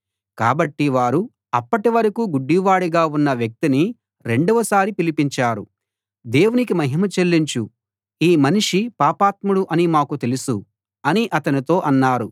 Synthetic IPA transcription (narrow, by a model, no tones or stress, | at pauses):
ka̰ːbɐʈːiʋaːɾu | ɐpːɐʈiʋɐɾɐkuɡuɖːiʋaːɽiɡaːunːɐʋjɐk̚t̪ini | ɾe̞ɳɖuʋɐsaːɾipilipiɲt͡ʃaːɾṵ | d̪e̞ːwunikimɐɦimɐt͡ʃelːiɲt͡ʃu | iːmɐniʂipaːpaːt̪muɽuʔɐnimaːkut̪e̞lusu | ɐniʔɐt̪ɐnit̪o̞ːʔɐnːaːɾu